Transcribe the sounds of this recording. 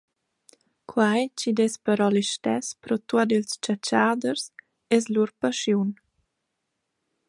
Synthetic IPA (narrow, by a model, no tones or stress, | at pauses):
kʰwajt͡ʃid̪ɛspəɾɔliʃtɛspɾɔt̪uad̪ilst͡ʃat͡ʃaːd̪əɾs | ɛsluɾpaʃjun